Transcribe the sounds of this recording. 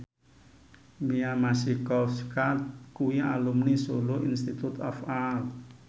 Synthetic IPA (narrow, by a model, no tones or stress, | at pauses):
miamasikɔskat̪̚kuwia̰lumnisoloʔinst̪it̪ut̪ɔ̰fal